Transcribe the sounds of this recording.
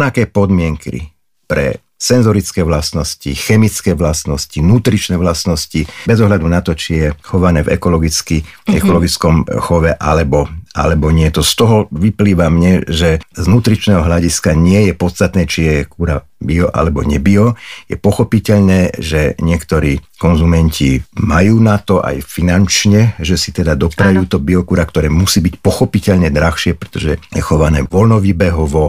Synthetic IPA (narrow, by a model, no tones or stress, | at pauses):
nakɛːpɔd̪mɪɛŋkḭ | pɾɛ̰ | sɛnzɔɾit͡skɛːʋlast̪nɔscixɛmit͡skɛːʋlast̪nɔscinuːt̪ɾit͡ʃnɛːʋlast̪nɔscibɛzɔɦʎad̪unat̪ɔt͡ʃijɛxɔʋanɛːvɛ̰kɔlɔɡit͡skiɛ̰kɔlɔɡit͡skɔmxɔʋɛʔalɛbɔʔa̰lɛbɔɲɪɛt̪ɔst̪ɔɦɔʋipliːʋamɲɛʒɛznuːt̪ɾit͡ʃnɛːɦɔɦʎaɟiskaɲɪɛjɛpɔt̪st̪at̪nɛːt͡ʃijɛkuːɾa | biɔʔa̰lɛbɔ̰ɲɛbiɔjɛ̰pɔxɔpicɛʎnɛːʒɛɲɪɛkt̪ɔɾiːkɔnzumɛɲcʰimajuːnat̪ɔʔa̰jfinant͡ʃɲɛʒɛsi̥t̪ɛd̪ad̪ɔpɾajuːt̪ɔbiɔkuːɾakt̪ɔɾɛːmusiːbicpɔxɔpicɛʎɲɛd̪ɾaxʃɪɛpɾɛ̥t̪ɔʒɛjɛxɔʋanɛ̰ːʋɔlnɔʋiːbɛɦɔʋɔ